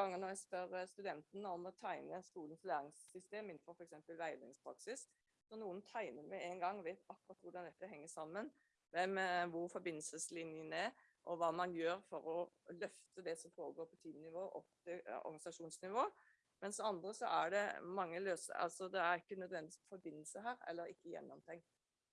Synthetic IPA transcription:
ɑŋːənɔæɪsp̪œɾəst̪ʉd̪ɛnt̪ənəɔmɔt̪ʰæɪnəskuːlənflæːɾɪŋsːʏst̪eːmɪnfɔɾfɔɾɛksɛmpəlʋæɪd̪ɪ̰ŋspʰɾɑksɪs | sɔnuːənt̪ʰæɪnəɾmɛeɪnɡɑŋːʋæɪt̪ɑkːɾɑt̪ʋʊɖɑnd̪ɛt̪ːəɦɛŋːəsɑmːən | ʋɛmʋʊɾfɔɾbɪnːəlsəslɪnjənæ | ʔɔʋɑːmɑnjøːɾfɔɾɔlœft̪əd̪ɛsɔmfoːɾəɡoːɾpʰɔt̪ʰiːmnɪʋoːʔɔt̪əɔ̰ɾɡɑnɪsɑʂuːnsnɪʋoː | mɛnsɔɑnd̪ɾəsɔʔæɖɛmɑŋːəløːsɑ̰lsɔd̪ɛæɾɪkːənœd̪ʋɛnd̪ɪfɔɾbɪnːəlsəɦæːɾɛ̰lːəɾɪ̰kːəjɛ̰nːɔmt̪ʰɛŋk̚t̪

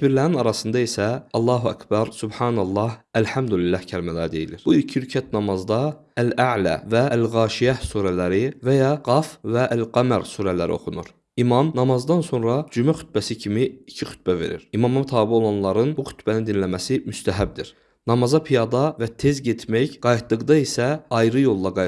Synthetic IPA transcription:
biɾlæɾinɑɾɑsɯnd̪ɑisæɑlˠːɑːɦuæ̰kʰbɑɾsubħɑːnɑlˠːɑhælħæmd̪ulilːæhcʰælimælæd̪e̞jḭliɾb̥uilcʰiyɾcʰæt̪nɑmɑzd̪ɑ | ælæʕlæ̰væælɣɑːʃijæhsuːɾælæɾivæjɑɡɑfvæʔælqæmæɾsuːɾælæɾḭo̞̰χunuɾ | imɑmnɑmɑzd̪ɑnso̞nɾɑd͡ʒymæxy̥t̪̚bæsicʰimiicʰixy̥t̪̚bæve̞̰ɾḭɾimɑmɑmt̪ʰɑːbio̞lˠɑnlˠɑɾɯnbuxy̥t̪ʰbænind̪inlæmæsimyst̪ʰæɦæb̚d̪iɾ̥ | nɑmɑzɑpʰijɑd̪ɑvæt̪ʰe̞zɟet̪ʰmæçɡ̥ɑjt̪d̪ɯɣd̪ɑisæɑjɾɯjo̞lˠːɑɡɑ

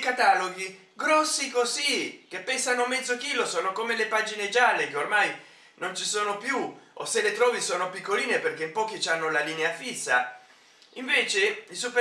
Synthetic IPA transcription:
kat̪aloɡi | ɡɾɔsːikozik̟epːɛnsanomɛd̪zːokiːlosoːnokomelepaːd͡ʒined͡ʒalːekeormaj | nont͡ʃisoːnopjuoselet̪ɾɔːvisoːnopikːoliːneperk̟eimpɔːk̟it͡ʃanːolaliːneafisːa | iɱveːt͡ʃeisufe

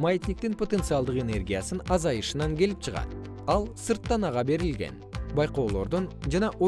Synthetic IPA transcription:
majet̪nʲik̚t̪inpo̞t̪e̞nt̪sɨɑlˠd̪ɯqe̞ne̞rɡʲijasɯnɑzɑjɯʃɯnɑŋɡʲe̞lip̚t͡ʃʰɨʁɑ̰t̪ | ɑlˠsɨɾt̪ːɑnɑʁɑbe̞ɾilɡe̞̰nbɑjqoːlˠo̞ɾd̪ond͡ʒɑnɑʔo

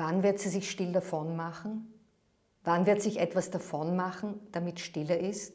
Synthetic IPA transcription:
vanvɪɐtz̥iːzɪçʃtɪldɐfɔnmaχn̩ | vanvɪɐtsɪçɛtv̥asd̥afɔnmaχn̩d̥amɪtʃtɪlɐʔɪst

